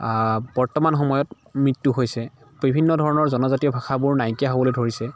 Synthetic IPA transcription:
bɔɹtɔmanxɔmɔjɔt | mɹitːuɦojsɛ | bibʱinːɔdʱɔɹɔnɔɹzɔnɔzatijɔbʱaxʰabʊɹnajkijaɦobɔlojdʱoɹisɛ

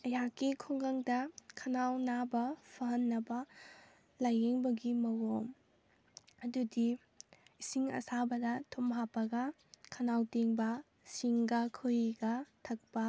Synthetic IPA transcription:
ɐjakikʰoŋɡɐŋdɐkʰɐnawnabɐpʰɐɦɐnːɐbɐ | lajeŋbɐɡimɐwom | ɐdudi | isiŋɐ̰sabɐdɐtʰumɦapːɐɡɐ | kʰɐnawteŋbɐ | siŋɡɐkʰɯjiɡɐtʰɐk̚pɐ

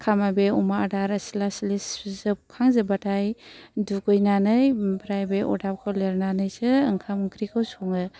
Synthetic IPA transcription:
kʰamabeumaadaɾasilasiliszɯkʰaŋzɯbatʰajdukɯjnanɯjbɾajbeʔɔ̰dap̚kʰɔleɾnanɯjsɯɯŋkʰamuŋkʰɾikʰɯwsɔŋɯ

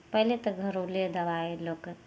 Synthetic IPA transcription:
pəɦlet̪ɔɡʱəɾoled̪əʋaelok

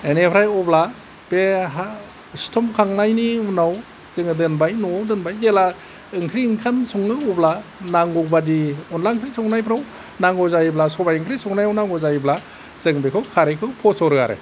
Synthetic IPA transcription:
enepʰɾajɔbla | b̥eɦa | stʰɔmkʰaŋnajniunaw | zɯŋɯdɯnbajnɔawdɯnbajzela | ɯŋkʰɾiːŋkʰansuŋɯɔblanaŋɡɔbadiunlaŋkʰɾisɔŋnajpʰɾaw | naŋɔzajiblasɔbajɯŋkʰɾisɔŋnajawnaŋɡɔzajibla | zɯŋbekʰɯkʰaɾekʰɯwpʰɔsɔɾɯa̰ɾḛ

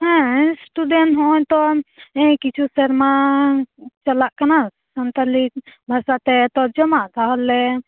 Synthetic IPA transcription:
ɦɛ̃sʈuɖẽnɦɔ̃t̪ɔẽkit͡ʃʰusəɾma | t͡ʃəlaʔkəna | sənt̪əlibʱasat̪ɛt̪ɔd͡ʒəmat̪ʰaɦɔlːe

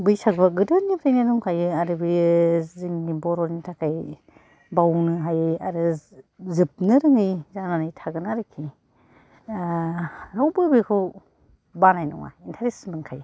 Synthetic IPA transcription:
bɯjsakbaɡɯdɯnibɾajnɯnuŋkʰajɯaɾɯbɯjziŋːibɔɾɔɾnitʰakaj | bawnɯɦajɯaɾɯzɯp̚nɯɾɯŋɯjzananɯjtʰaɡɯnaɾɯkʰi | ɾawbɯbɯkʰɯw | banajnɔ̰ŋa̰intʰaɾesmɯŋkʰaj

